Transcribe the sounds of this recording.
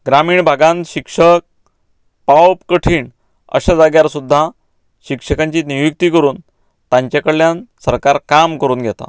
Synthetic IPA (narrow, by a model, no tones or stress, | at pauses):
ɡɾamiːɳbʱaɡãnt̪ɕikʂək̚ | pawpkəʈʰiːɳ | ə̰ɕad͡zaɡjaɾsud̪ʱːa | ɕikʂəkaɲt͡ɕiːniʋuk̚t̪iːkəɾuːn | t̪ãɲt͡ɕakəɽːjansəɾkaɾkamkəɾuːnɡʱjɛt̪a̰